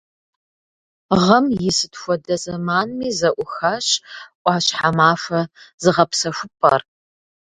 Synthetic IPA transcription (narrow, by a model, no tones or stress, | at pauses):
ʁɐmjjɪsɨtʰxʷɔdɐzɐmaːnmiːzɐʔʷʊxaɕʔʷʼɑːɕħamaːfʷɐzɨʁɐpsɐʃʷʊpʰʼɐ̰r